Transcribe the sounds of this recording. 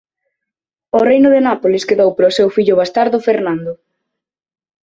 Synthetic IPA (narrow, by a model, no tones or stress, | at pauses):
orejnʊðenapolɪskeðowpɾosewfiʎʊβast̪aɾðofeɾnand̪ʊ